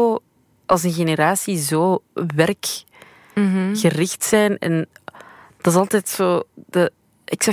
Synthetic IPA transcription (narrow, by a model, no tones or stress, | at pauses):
o | ʔɑlˠs̬ənɣeneɾaːsizoːʋɛrk | ɣərɪxtsɛjnɛ̰n | d̥ɑs̬ɑlˠtɛːtsoːd̥ə | ɪksɛ